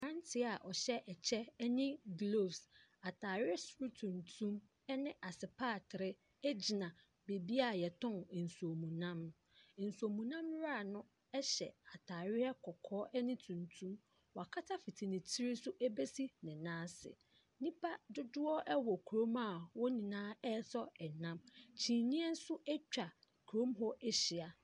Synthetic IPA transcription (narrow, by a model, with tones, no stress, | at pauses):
ã˦n˦tʰɪ˦a˨ʔɔ˨ɕɛ˦ʔɛ˨t͡ɕʰɛ˦nɪ̃˦ɡlo˦˨fsa˨tʰaː˨ɾɪ˦ɛ˦sɾu˦tʰũ˨ntʰũ˦m | ɛ˦nɪ̃˦ʔa˨sɪ˨pʰaː˦˨tʰɪ˨ɾɪ˦ | ɛ˦d͡ʑi˨nã˨ | be˨bi˦a˨jɛ˨tʰɔ̃˦n˨n̩˨su˨o˨mũ˨nã˦m̩˨ | n̩˨su˨o˨mũ˨nã˦mɾa˦˨nʊ̃˦ | ɛ˦ɕɛ̰˨a˨tʰaː˨ɾɪ˦a˦kʰɔ˨kʰɔː˦ʔɛ˦nĩ˦tʰũ˨ntʰũ˦m | wa˨kʰa˦tʰa˦fi˨tʰi˨nɪ̃˨tʰi˦ɾɪ˦sʊ˦ʔɛ˦be˦si˦nɪ̃˨nãː˦sɪ̰˨ | nĩ˦pʰa˦dʊ˦dʊ˦ɔ˦ʔɛ˦wɔ˨kʰu˨ɾõ˦ma˦˨wɔ˦nĩ˨nãː˦ɛ˦sɔ˦ɛ˨nã˦mt͡ɕʰĩ˨nĩ˦ɛ˦n̩˦sʊ˦ɛ˦t͡ɕᶣa˨ | kʰu˨ɾõ˦mɦɔ˦ʔɛ˦ɕɪ˨a˨